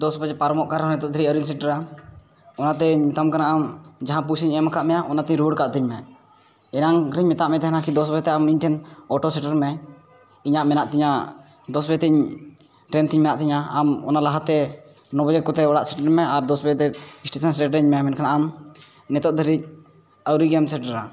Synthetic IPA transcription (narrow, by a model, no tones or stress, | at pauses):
d̪ɔsbad͡ʒɛpaɾmɔʔkaɾɦɔnɛt̪ɔt̪̚d̪ʱəɾiəɾimsɛɳʈəɾa | ɔnat̪ɛɲit̪amkanaʔamd͡ʒaɦãp̬usiɲɛmakʰaʔmɛjaʔɔnat̪iɲɾuɽkaʔt̪iɲmɛ | ɛnaŋɾiɲmɛt̪aʔmɛt̪ɛɦnakid̪ɔsbɛɛt̪ɛamiɲʈʰɛnɔʈɔsɛʈəɾmɛ | iɲaʔmɛnaʔt̪iɲa | d̪ɔsbɛt̪iɲ | ʈɾɛnt̪iɲmɛjaʔt̪iɲaamɔ̰nalaɦat̪ɛ | nɔbɔd͡ʒɛkɔt̪ɛɔɽaʔsɛʈəɾmɛaɾd̪ɔsbɛt̪ɛisʈesansɛʈɾɛɲmɛjamɛnkʰanaʔam | nɛt̪ɔt̪̚d̪ʱəɾic̚ | awɾiɡijamsɛɳʈəɾa